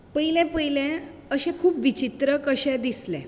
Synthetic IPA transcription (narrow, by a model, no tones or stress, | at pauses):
pəjlɛ̃pəjlɛ̃əɕɛ̃kʰuːpʋit͡ɕit̪ɾəkəɕɛd̪islḛ̃